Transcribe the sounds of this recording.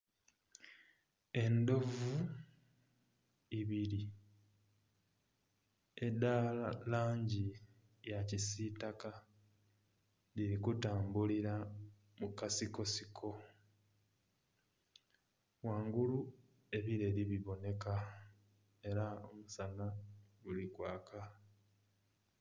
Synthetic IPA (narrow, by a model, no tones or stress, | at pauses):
e̞ndo̞vu | iβiɾi | edallaːɲɟi | jacisitaka | liɾikutaːmbuliɾa | mukasiko̞sikʰo̞ | waːŋɡulu | e̞βiɾe̞liβiβo̞ne̞ka | e̞ɾaomusanaɡulikwaːkʰa